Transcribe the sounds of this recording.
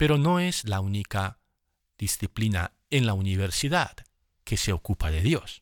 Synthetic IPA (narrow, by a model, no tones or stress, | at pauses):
pe̞ɾo̞no̞ezlaunika | ð̥isθiplina̰ | enlauniβ̞eɾsiðad̪ | ke̞se̞okupaðeðjo̞s